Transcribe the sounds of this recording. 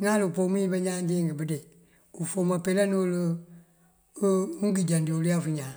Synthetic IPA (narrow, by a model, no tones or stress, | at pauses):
ŋãːlɨpomĩːbəɲãːd͡ʒeːŋɡɨbɨde | ufomãpelɛnolə | ũɡid͡ʒãndioliafuɲãː